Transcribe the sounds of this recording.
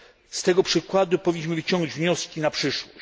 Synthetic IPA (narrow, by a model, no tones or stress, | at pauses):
st̪ɛɡɔpʂɘkwad̪upɔvʲiɲːiɕ̬mɘvɘt͡ɕɔ̃ŋɡd͡ʑvɲɔskʲinapʂɘʂwɔɕ